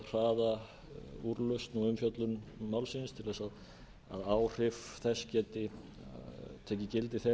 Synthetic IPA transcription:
r̥aːða | uɾlœst̪nuʏmfjœt̪lʏnmawlsɪnst̪ʰɪlɛsaw | a̰ðaːwr̥ɪfθɛscɛːt̪ɪ | t̪ʰɛːcɪcɪlt̪ɪθɛ

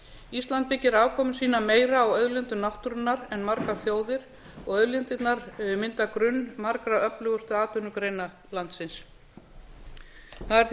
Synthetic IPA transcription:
ist̪lant̪̚pɪcːɪɾaːvkʰɔːmʏsiːnameːjɾaːwœðlɛnt̪ʏnawht̪uɾʏnːaɾɛnmaɾkaθjoːwðɪɾ̥ | ɔɣœðlʏnt̪ɪt̪naɾʏmɪnt̪akɾʏnːmaɾkɾaœplʏɣʏst̪ʏaːt̪ʏnʏkɾejna | lant̪sɪns | θaðɛɾ

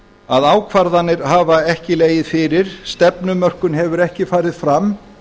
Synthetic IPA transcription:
aðaːwkʰvaɾðanːɪɾ̥ɦaːvaɛhcɪleːjɪðfɪːɾɪɾ̥st̪ɛpnʏmœr̥kʏnɦɛvʏɾɛhcɪfaːɾɪðfɾam

